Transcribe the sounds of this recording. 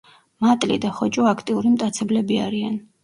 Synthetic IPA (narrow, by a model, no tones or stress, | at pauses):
mat̪ʼlḭd̪aχɔt͡ʃʼɔakʰt̪ʼiuɾimt̪ʼat̪sʰɛblɛbiaɾian